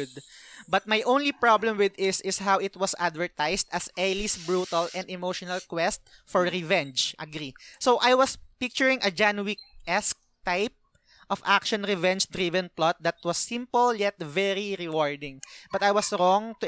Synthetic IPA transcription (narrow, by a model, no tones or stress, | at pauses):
d̪̚bɐt̪̚majʔõw̃nlipɹablɛ̃mwɪd̪ɪsɪsɦawɪt̪wɔsad̪vɛɹt̪ajst̪ɐsɛlisbɹut̪ɐlɛ̃nd̪ɛmoʃɔnɐlkwɛst̪̚ | fɔɹɹɛvɛ̃nd͡ʒʔɐɡɾisowʔajwɐspɪk̚t͡ʃʊɹɪ̃ŋɐd͡ʒanuwik̚ʔɛsk̚t̪ajp̚ | ʔɔfʔakʃɔ̃nɾɛvɛ̃nd͡ʒd̪ɾivɛ̃nplɔt̪̚d̪ɐt̪̚wɐsːɪ̃mpɔljɛt̪̚vɛɹiɹɛwɔɹd̪ɪ̃ŋbɐt̪ajwɔsɾɔŋt̪ʊ